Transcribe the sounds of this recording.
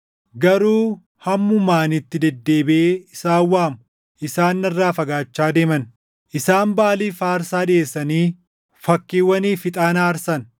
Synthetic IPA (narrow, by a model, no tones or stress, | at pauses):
ɡɐɾuː | hɐmːʊmaːnɪt̪ːɪd̪ɛd̪ːe̞ːbeːɪsaːwːaːmʊ | ʔɪsaːnːɐrːaːfɐɡaːt͡ʃːaːd̪e̞ːmɐn | ʔɪsaːnbaːliːfaːɾsaːᶑɪeːsːɐniː | fɐkːiːwːɐniːfɪt̪ʼaːnaːɾsɐn